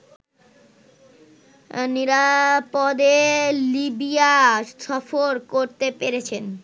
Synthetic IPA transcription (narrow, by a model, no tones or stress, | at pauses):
niɾapod̪elibiasɔfoɾkoɾt̪epeɾet͡ɕʰen